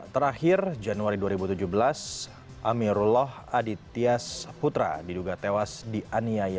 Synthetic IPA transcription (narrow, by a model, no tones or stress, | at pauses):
t̪əɾahɪrd͡ʒanuaɾiduaɾibut̪ud͡ʒuhbəlas | amiɾulɔh | adit̪iasput̪ɾa̰diduɡat̪ewasdiʔaniaja